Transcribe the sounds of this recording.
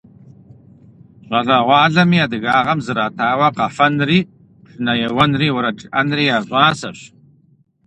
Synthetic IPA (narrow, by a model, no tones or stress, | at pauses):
ɕʷʼɐɮɐʁʷɑːɮɐmiːaːdɨɣaːʁɐmzɨɾaːtʰaːwɐqɐfɐnriː | ʂʼɨnɐjɛwɐnriːwɔɾɐʈ͡ʂʼɨʔɐnriːaːʒʷʼaːsɐɕ